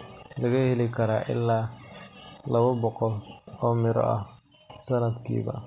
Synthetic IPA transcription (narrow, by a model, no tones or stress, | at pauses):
lɐɣɐhɛlɪkʰɐɾaːʔɪ̰lːaː | lɐβɐbɔqɔlɔːmɪɾɔ̰ʔɐh | sɐnɐd̪kʰḭːβɐ̰